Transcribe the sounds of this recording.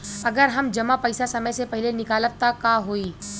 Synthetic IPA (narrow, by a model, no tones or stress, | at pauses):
ɐɡəɾɦɐmd͡ʒɐmapɐɪsasɐməjsepɐɦɪlenɪkaːləʋt̪akaɦoːiː